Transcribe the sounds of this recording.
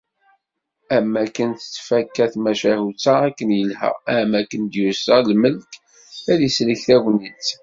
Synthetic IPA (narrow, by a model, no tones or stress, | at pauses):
æmːækənt̪ə̥t͡sːfækːæθmæʃæhut͡sːæækːənjəlhæ̰æmːækːənd̪jusɑlməlk | æðisləçθæwʷnit͡sː